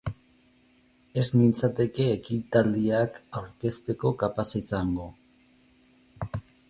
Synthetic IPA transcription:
e̞zmint͡sat̪e̞ke̞ːkit̪ald̪iakawɾke̞st̪e̞ko̞kapasisaŋɡo̞

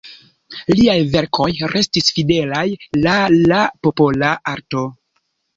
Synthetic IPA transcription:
liajve̞ɾkʰo̞jɾe̞stisfide̞lajlalapo̞po̞laʔaɾto̞

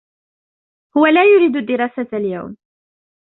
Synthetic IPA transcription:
hʊwalæːjʊɾiːd̪ʊd̪ːɪɾˤɑːsat̪lja̰wm

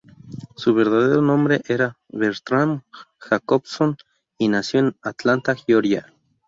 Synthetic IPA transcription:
suβeɾðað̞eɾonõmbɾeʔeɾa | βeɾt̪ɾamxakobson | inasjonat̪lant̪axjoɾja

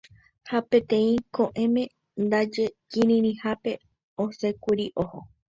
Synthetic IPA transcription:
hapẽt̪ẽ̞ĩkõʔẽ̞mẽ̞ | nd̪ad͡ʒekĩɾĩɾĩhape̞ | osekuɾiʔoho

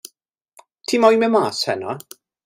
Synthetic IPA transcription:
tʰimɔjmɛmaːshɛna

